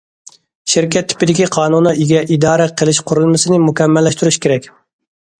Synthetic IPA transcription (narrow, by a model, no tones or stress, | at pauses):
ʃiɾkʲɛt̪ʰːɪ̥pɪd̪ɪkʲiqʰɑːnunɨʔiɡʲɛʔid̪ɑːɾɛqʰəlˠɪʃqʰʊɾulˠmɨsɨnɪmukʲɛmːɛlːɛʃt̪yɾyʃkʲeɾɛkʲ